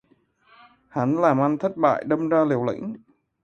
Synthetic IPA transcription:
ha˨˦nlaː˨˩mʔa˧jŋ̟t̪ʰə˦˥t̚ɓa̰ː˧˨jɗə˧wmzaː˧li˨˩əwlḭ˧˥ŋ̟

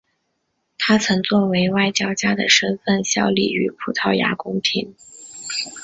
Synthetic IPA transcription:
t̪ʰa˥t͡sʰɤ˧˥ŋt͡swɔ˥˩we˧˥ɪwa˥˩ɪt͡ɕjɑ˥ʊt͡ɕja˥d̪ə̰˨ʂə˥nfə˥˩nɕjɑ˥˧ʊlḭ˥˩y˧˥pʰu˨˩t̪ʰɑ˥˩ʊja̰˧˥kʊ˥ŋt̪ʰi˧˥˦n

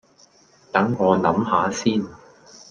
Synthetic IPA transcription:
t̪ɐ˨˥ŋːɔː˨˧nɐ˨˥mɦaː˨˧siː˥˩n

